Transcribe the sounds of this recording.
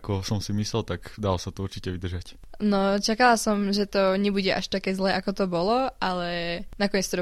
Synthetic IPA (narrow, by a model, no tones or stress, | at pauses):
kɔsɔmsimislɛlt̪akd̪alɔsat̪ɔuɾt͡ʃicɛʋid̪r̩ʒac | nɔt͡ʃakalasɔmʒɛt̪ɔɲɛbuɟɛʔa̰ʃt̪akɛːzlɛːʔakɔt̪ɔbɔlɔʔalɛnakɔɲɛt͡st̪ɔɾ